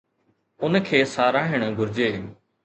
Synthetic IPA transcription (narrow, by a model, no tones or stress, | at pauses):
ʊnkʰeːsaːɾaːɦɪɽ̃ɡʱʊɾɪd͡ʑeː